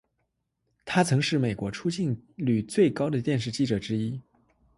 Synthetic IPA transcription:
t̪ʰa˥t͡sʰɤ˧˥ŋʂɻ̩˥˩me˨˩ɪkwɔ˧˥ʈ͡ʂʰu˥t͡ɕi˥˩nly˨˩t͡swe˥˩ɪkɑ˥ʊd̪ə˨t̪jɛ˥˧nʂ̬ɻ̩˥˧t͡ɕi˥˩ʈ͡ʂɤ˨˩ʈ͡ʂɻ̩˥i˥

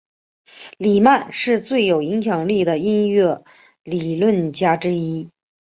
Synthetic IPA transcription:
li˨˩ma˥˧nʂɻ̩˥˧t͡swe˥˩ɪjo˨˩ʊi˧˥ŋɕjɑ˨˩ŋli˥˩d̪ə˩i˥nɥɛ˥˩ | li˨˩lwə˥˩nt͡ɕja˥ʈ͡ʂɻ̩˥i˥

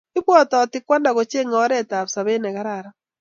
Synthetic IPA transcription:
i˦βwɔ˦tɔ˨ti˦kwa˦nda˨ɣo˨t͡ʃe˦ŋɔ˦ɾɛ˦ta˨βsa˨βe˦nɛ˨ɣa˦ɾaɾa

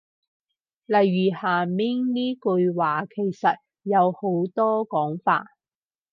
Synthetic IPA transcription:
lɐ˨jːyː˨˩haː˨˩mi˥ŋniː˥kɵ˧jwaː˨˩kʰe˨˩jsɐ˨t̚ | jɐ˨˧who˨˥wt̪ɔː˥kɔː˨˥ŋfa̰ː˧t̚

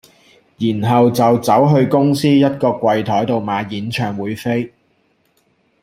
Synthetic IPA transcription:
jiː˨˩nɦɐ˨wt͡sɐ˨wt͡sɐ˨˥wɦɵ˧ɥkʊ˥ŋsiː˥jɐ˥t̚kɔː˧kwɐ˨jt̪ʰɔː˨˥jt̪o˨wmaː˨˥jiː˨˥nt͡ʃʰœː˨ŋwuː˨˧jfe˥j

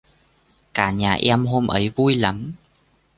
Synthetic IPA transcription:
kaː˧˩ɲaː˨˩ʔɛ˧mɦo˧mʔə˨˦jvu˧jla˨˦m

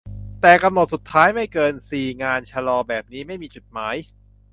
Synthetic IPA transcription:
t̪ɛː˨˩ka˧mno˨˩t̪̚su˨˩t̪ʰːaː˦˥jma˥˩jkɤː˧nsiː˨˩ŋaː˧nt͡ɕʰa˧lɔː˧bɛː˨˩p̚niː˦˥ma˥˩jmiː˧t͡ɕu˨˩t̪̚maː˦˥j

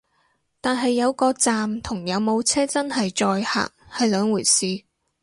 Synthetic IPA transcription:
t̪aː˨nɦɐ˨jːɐ˨˧wkɔː˧t͡saː˨mt̪ʰʊ˨˩ŋjɐ˨˧wmo˨˧wt͡sʰɛː˥t͡sɐ˥nɦɐ˨jt͡ʃɔː˧jha̰ː˨k̚hɐ˨jlœː˨˧˥ŋwuː˨˩jsiː˨˧

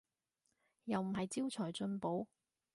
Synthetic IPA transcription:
jɐ˨wm̩˨˩ɦɐ˨jt͡siː˥wt͡sʰɔː˨˩jt͡ʃɵ˧npo˨˥w

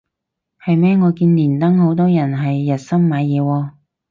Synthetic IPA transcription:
hɐ˨jmɛː˥ŋɔː˨˧kiː˧nliː˨˩nt̪ɐ˥ŋho˨˥wt̪ɔː˥jɐ˨˩nɦɐ˨jːɐ˨˩t̚sɐ˥mmaː˨˧jjɛː˨˧wɔː˧

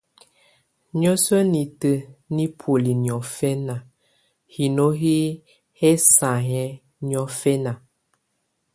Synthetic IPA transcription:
ɲɔ˦sə˦ni˨tə˨ni˦pʰo˨li˨n˨ɔ˨fɛ˦na˨ | hi˨no˦ɦi˦ | hɛ˦sa˨ɦɛ˦ | njɔ˦fɛ˦na˨

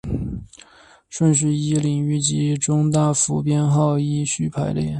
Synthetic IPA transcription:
ʂwə˥˧nɕ̬i˧˩i˥li˧˩ŋy˥˩t͡ɕi˧˥ʈ͡ʂʊ˥ŋt̪a˥˩fu˧˥pjɛ˥nxɑ˥˧ʊi˥ɕy˥˩pʰa˧˥ɪljɛ̰˥˩

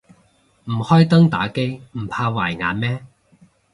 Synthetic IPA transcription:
m̩˨˩hɔː˥jt̪ɐ˥ŋt̪a̰ː˨˥ke˥jm̩˨˩pʰaː˧waː˨˩jŋa̰ː˨˧nmɛː˥

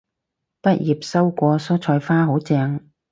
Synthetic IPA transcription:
pɐ˥t̚jiː˨p̚sɐ˥wkʷɔː˧sɔː˥t͡ʃʰɔː˧jfaː˥ɦo˨˥wt͡sɛː˧ŋ

